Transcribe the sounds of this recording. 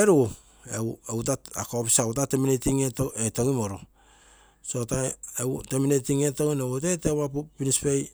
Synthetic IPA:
eɾu | eewtaa̰kopisawtateminetiŋeoetoŋimoɾo | sotaeteminetiŋetoŋinewut̬etewapupinispej

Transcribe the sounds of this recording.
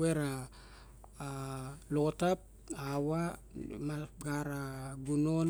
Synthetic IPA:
eɾa | lotap̚ | awa | maɡaɾaɡunon

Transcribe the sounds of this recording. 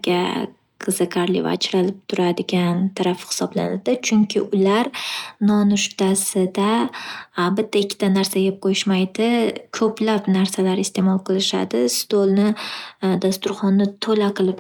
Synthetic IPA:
ɡʲa | qʰɨzɨkʰaɾlɪ̰va̰t͡ʃʰɾalɪp̚t̪ʰʊɾad̪ɪɡʲant̪ʰaɾafhɪ̥sɒbla̰nad̪ɪt͡ʃʰʊŋkʲʰɪʔʊlaɾnɒnʊʃt̪asɪd̪a | bɪt̪ʰːaɪkʲʰːɪ̥t̪anaɾsajʲep̚qʰojɪʃmajd̪ɪkʰɵplapnaɾsalaɾɪst̪ʰe̞mɒlˠqʰɨlˠɪʃa̰d̪ɪst̪olˠnɪd̪ast̪ʊɾχɒnːɪt̪ʰolaqʰɨlˠɪp

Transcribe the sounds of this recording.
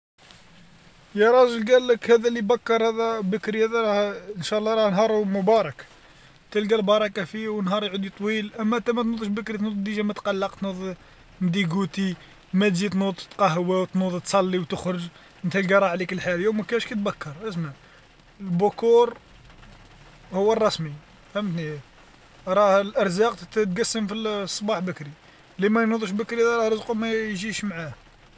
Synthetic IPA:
jɑɾˤɑʒəlɡælːəkhæd̪ælibækːɑɾˤhæd̪æbəkɾihæd̪æɾˤɑhənʃæʔlːɑɾˤɑhnɦɑɾˤhumʊbɑɾˤɑk | t̪ælɡælbɑɾˤɑkæfiwənɦɑɾˤjʕud̪it̪ˤwilʔæmːæʔt̪æmæt̪nud̪ˤəʃbəkɾit̪nud̪ˤd̪iʒæmæt̪qɑlːɑqt̪nud̪ˤ | md̪iɡut̪i | mæt̪zit̪nud̪ˤt̪qɑɦwæwt̪nud̪ˤt̪sˤɑlːiwt̪əxɾəʒ | mənt̪ælɡɑɾˤɑʕlikəlːħaljæwməkæʃkæt̪̚bækːɑɾˤʔəsmæ | əlbʊkuɾˤ | hʊwːərˤːɑsmi | fhæmːt̪ni | ɾˤɑhlʔəɾˤzɑqt̪ɡæsːəmfisˤːbɑħbəkɾi | limæjnud̪ˤuʃbəkɾid̪ɑɾˤɑɾˤəzqumæʒiʃmʕah

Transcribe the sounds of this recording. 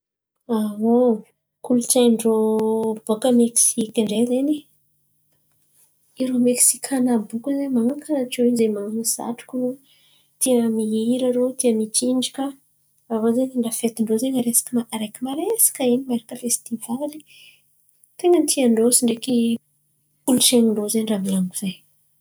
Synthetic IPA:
awo | kulut͡ʃajɳɖ͡ʐobokaəmeksikʲaɳɖ͡ʐezeni | iɾomeksikʰanabukuzemaŋakʰanaʈ͡ʂowinzemaŋnisa̰ʈ͡ʂu̥ku | t̪imiiɾaɾot̪iəmit͡ʃiɳɖ͡ʐi̥kə | avozeniɳɖ͡ʐafet̪iɳɖ͡ʐozeŋaɾesḁkəmaʔaɾekʲimaɾesḁkəinimaɾakəfest̪ivali̥ | t̪eŋənt̪ʰiaɳɖ͡ʐosiɳɖ͡ʐeki | puluʈ͡ʂeniɳɖ͡ʐozeɳɖ͡ʐamiaŋɡuz̥aj

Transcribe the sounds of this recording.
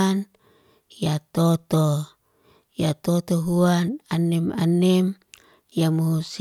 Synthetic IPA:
n | jat̪ot̪o | jat̪ot̪oɦuananɛma̰nɛm | jamoɦus

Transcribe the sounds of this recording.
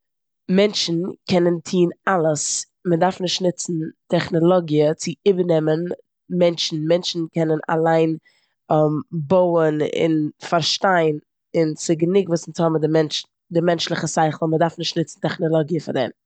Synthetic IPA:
mɛnt͡ʃn̩kʰɛnəntʰiːnalˠəs | mədaɾfnɪʃtnɪt͡sn̩tʰɛχnɔlˠɔɡiət͡sɪɪbənɛmən | mɛnʃn̩mɛnʃn̩kʰɛnəna̰lˠaɪn | mboʊənɪ̰nfaɾʃtaɪn | ɪnt͡sɪɡənɪɡvuːsɪnshɔbm̩dɪmɛnt͡ʃ | dɪmɛnt͡ʃlˠɪχəsaɪχl̩ˠmədaɾfnɪʃtnɪt͡sn̩tɛχnɔlˠɔɡiəfa̰ɾdɛ̰m

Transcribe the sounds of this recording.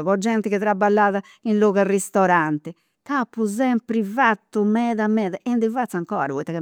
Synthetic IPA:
βɔd͡ʒːɛnt̪ikɛt̪ɾabalːaːða | inlɔːɣalrist̪ɔɾant̪ɛ | tapːuzɛmpɾivat̪ːumɛːðamɛːðaʔɛnd̪ivat̪saŋkɔ̰ːa̰ɾvɔit̪ːakɛ

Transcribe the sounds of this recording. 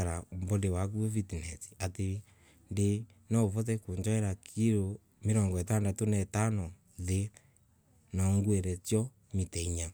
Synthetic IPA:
aɾaombɔndewak̬uɛvitinɛti̥ate | nde | naovɔðɛkoɲd͡ʒɔɛɾakʰiɾo | meɾɔŋɡɔɛtandatonɛtanɔ | ðe | naŋɡwɛɾɛtjɔ | mitɛiɲa

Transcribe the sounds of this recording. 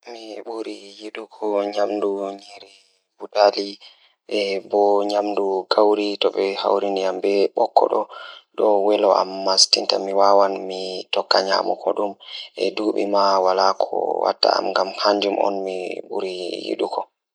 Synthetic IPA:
miɓuɾijiɗukʰɔɲamduɲɛɾɛ | butali | ʔɛbɔɲamnduɡawɾitɔɓɛha̰wɾiniambɛɓɔkʰːɔ̰ɗɔɗɔwɛlɔʔamːastintamiwawanmitɔkːaɲa̰mɔ̰kʰɔɗumʔɛduɓḭmawalakʰɔ̰wa̰tːa̰a̰mŋɡamhaɲd͡ʒumʔɔ̰nmiɓṵɾijḭɗukʰɔ

